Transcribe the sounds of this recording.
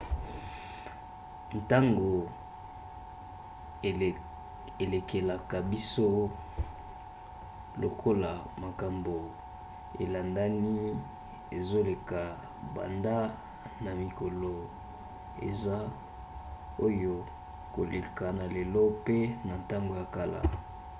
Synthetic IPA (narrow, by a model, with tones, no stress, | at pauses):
n˨ta˦ŋɡo˨ | e˨le˨kʰe˨la˨ka˨bi˦so˦ | lo˨kʰo˦la˨ma˨ka˨mbo˨ | ḛ˨la˨nda˦ni˦ | e˨zo˦le˨ka˨ | ba̰˨nda˦ | na˨mi˨ko˨lo˨ | ḛ˨za˦ | o˦jo˦ | ko˨lḛ˨ka˨na˨le˨lɔ˦pe˦na˨nta˦ŋɡo˨ja˨ka˦la̰˨